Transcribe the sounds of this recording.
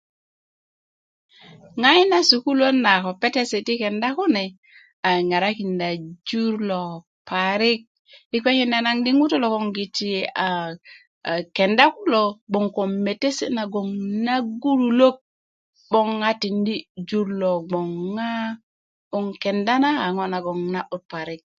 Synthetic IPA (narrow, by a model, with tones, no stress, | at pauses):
ŋa˦jna˦su˨ku˦lo˦na˨ko˨pe˦te˦se˨ti˦ke˨nda˦ko˦ne˨ | a˨ŋa˨ɾa˦ki˨nda˨d͡ʒu˦ɾlo˨ | pa˨ɾi˦k̚ | i˦kʷe˦ki˦nda˨na˦ŋdi˦ŋu˦to˦lo˨ko˦˨ŋɡi˨ti˨a˨ | ke˨nda˦ku˦lo˨ɡ͡bo˨ŋko˨me˨te˦sḛ˦na˨ɡo˨ŋna˦ɡu˦ɾu˨lo˦k̚ | ɓo˦ŋːa˦ti˨ndi˦d͡ʒu˦ɾlo˨ɡ͡bo˨ŋːa˦ | o˨ŋke˨nda˦naː˦˨ŋo˦na˨ɡo˨ŋna˦ʔo˦t̚pa˨ɾi˦k̚